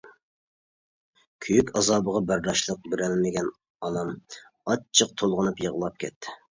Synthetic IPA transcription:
kʲʰyjykʲɑzɑːbəʁɑbæɾd̪ɑʃlˠəq̚bɪɾɛlmɪɡʲɛn | ɑnɑm | ɑt͡ʃʰəq̚t̪ʰolˠʁənupjəʁlˠɑp̚kʲʰɛ̰t̪ʰːɪ̥

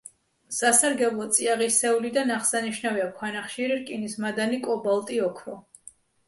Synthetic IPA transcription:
sasaɾɡɛblˠɔt̪sʼiaʁisɛulid̪anaχsaniʃnaviakʰwanaχʃiɾiɾkʼinismad̪anikʼɔbalˠt̪ʼiɔkʰɾɔ

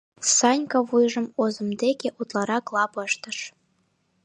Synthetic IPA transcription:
sɑnʲkɑβujʒə̆mozə̆md̪ekeʔut̪lɑɾɑklˠɑpəʃt̪ə̆ʃ

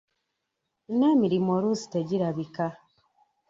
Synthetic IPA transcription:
inamiɾimoɾusi̥teɟiɾaβika

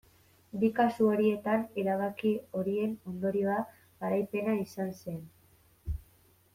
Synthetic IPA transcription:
bikasuo̞ɾie̞t̪aneɾaβakio̞ɾie̞no̞nd̪o̞ɾio̞a | ɣaɾajpe̞naisanse̞n

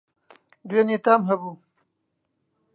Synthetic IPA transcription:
d̪wenet̪amɦɐbu

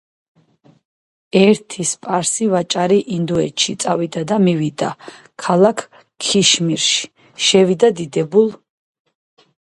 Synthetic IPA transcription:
ɛɾt̪ʰispʼaɾsivat͡ʃʼaɾiʔind̪uɛ̰t͡ʃʰit̪sʼavid̪ad̪amivid̪a̰ | kʰalakʰ | kʰːiʃmiɾʃi̥ | ʃɛvid̪ad̪id̪ɛbulˠ

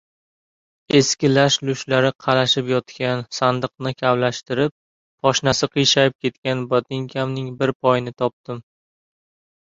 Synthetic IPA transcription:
e̞skʲɪlaʃlʊʃlaɾɪqʰɑɾaʃɪpjɒt̪kʲansand̪ɨq̚nɪkʲʰavlaʃt̪ɪɾɪp̚ːʰ | ɒʃnasɪqʰɨjʃajɪp̚kʲʰe̞t̪kʲanbɒt̪ɪŋkʲʰamnɪŋbɪɾpʰɒjnɪt̪ʰɒp̚t̪ɪm

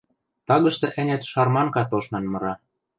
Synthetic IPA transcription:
t̪ɑɣɤ̆ʃt̪ɤ̆ʔɘ̆nʲet̪ʃɑrmɑŋkɑt̪oʃnɑ̆nmɤ̆ɾɑ

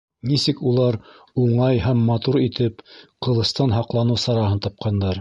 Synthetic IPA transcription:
nisɘkulˠɑɾ | uɴɑjɦæmːɑt̪uɾit̪ɘpqɤ̆lˠɤ̆st̪ɑnɦɑqlˠɑnɤsɑɾɑɦɤnt̪ɑp̚qʰɑnd̪ɑɾ

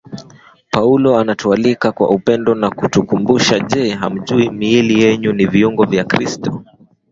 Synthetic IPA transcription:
paulɔanatualikakwa̰upɛndɔnakutukumbuʃaʄɛɦa̰m̩ʄuimiilijɛɲuniviuŋɡɔvjakɾistɔ

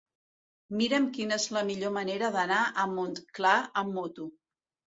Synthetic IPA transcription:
miɾəmkinəezləmiʎoməneɾəðənaʔəmːont̪klaəmːot̪u

